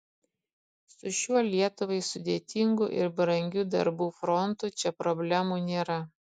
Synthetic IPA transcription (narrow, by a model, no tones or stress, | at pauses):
sʊʃʲuɔlʲiɛt̪ʊʋɐɪsʊd̪ʲeːt̪ʲɪŋɡʊ̰ʔɪ̰ɾbɾɐŋʲɡʲuːd̪ɐ̰ɾbuːfɾɔnt̪uːt͡ʃʲɛpɾɔbʲlʲæmuːnʲeːɾɐ